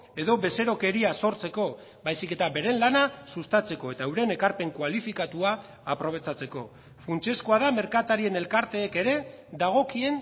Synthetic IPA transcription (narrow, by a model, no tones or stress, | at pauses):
e̞ðo̞βe̞se̞ɾo̞ke̞ɾiaso̞ɾt͡se̞ko̞ | bajsike̞t̪abe̞ɾe̞nlanasust̪at͡se̞ko̞e̞t̪aewɾe̞ne̞kaɾpe̞ŋkwalifikat̪uaː | pɾo̞β̞e̞t͡sat͡se̞ko̞̰ | funt͡ʃe̞skoaðame̞ɾkat̪aɾie̞ne̞lkaɾt̪e̞ːke̞ɾe̞ | d̪aɣ̞o̞kie̞n